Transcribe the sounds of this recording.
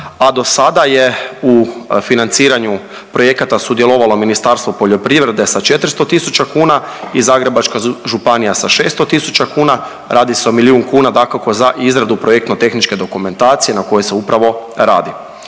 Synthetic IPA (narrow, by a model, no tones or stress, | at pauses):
ad̪o̞sad̪aje̞ufinant̪siːɾaɲu | pɾo̞je̞kat̪asud̪je̞lˠoʋalo̞minist̪aɾst̪ʋopo̞ʎo̞pɾiʋɾe̞d̪e̞sat͡ʃe̞t̪ɾ̩st̪o̞t̪isut͡ʃakuːnaizaːɡɾe̞bat͡ʃkaʒupanijasaʃe̞ːst̪o̞t̪isut͡ʃakuːna | ɾʔaːd̪iseo̞miliuːŋkuːnad̪akako̞zaʔizɾad̪upɾoje̞k̚t̪not̪e̞xnit͡ʃke̞d̪o̞kume̞nt̪aːt̪sije̞nako̞jeseupɾaʋo̞ɾa̰ːd̪i